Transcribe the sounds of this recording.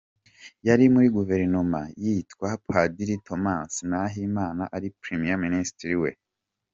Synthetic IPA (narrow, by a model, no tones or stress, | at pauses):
jaɾimuɾiɡuve̞ɾinoma̰jitkwapadiɾito̞maːnsnaɦimaːnaʔaɾipɾimijaministɾiwḛ